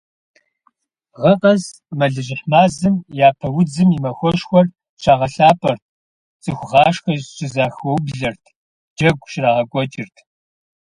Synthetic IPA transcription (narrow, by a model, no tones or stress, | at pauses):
ʁɐqɐz | mɐɮɨʑɪħmaːzɨmjaːpʰɐwʊd͡zɨmimɐxʷɔʃxʷɔr | ɕʰaːʁɐɬaːpʼɐrt̚ʰ | t͡sʼɨxʷʊʁɑːʃxɐʑɕʼɪzaːxɔwbɮɐrtʰ | d͡ʒɐɡʷʼɕraːʁɐkʷʼɔt͡ʃʼɪrtʰ